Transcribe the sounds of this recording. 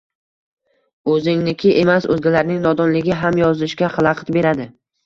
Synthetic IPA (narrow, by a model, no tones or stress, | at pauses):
ɵzɪŋnɪkʲʰɪʔemasɵ̰zɡʲalaɾnɪŋnɒd̪ɒnlɪɡʲɪɦamjɒzɪʃkʲaχɨlˠɑqʰɨt̪be̞ɾad̪ɪ